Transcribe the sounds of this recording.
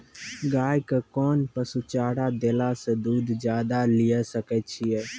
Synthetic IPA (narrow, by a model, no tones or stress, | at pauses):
ɡaːjkekɔːnpəsut͡ʃaːɽaːd̪eːlaːsed̪uːd̪d͡ʒjaːd̪alɪjasəkɛːt͡ʃʰiɛː